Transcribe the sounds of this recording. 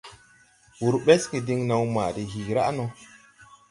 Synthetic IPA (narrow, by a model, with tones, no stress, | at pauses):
wu˨ɾɓe˦ski˨di˦ŋna˦wma̰ː˨di˨ɦiː˨ɾa̰˦ʔno˨˦